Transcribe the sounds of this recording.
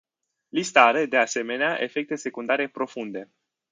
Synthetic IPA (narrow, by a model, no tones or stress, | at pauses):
list̪aɾed̪e̞ase̞me̞neaʔe̞fe̞k̚t̪e̞se̞kund̪aɾe̞pɾo̞fund̪e̞